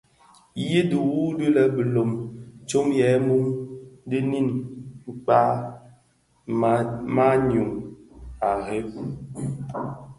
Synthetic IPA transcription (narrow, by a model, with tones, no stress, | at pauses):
ji˦du˨wu˦di˦lɛ˨bə˨lo˨mt͡ʃo˦mjɛ˨˦mu˦mdi˦ni˦˨nŋ͡mk͡pa˦ | ma˦ɲu˨ŋ | a˨ɣe˦p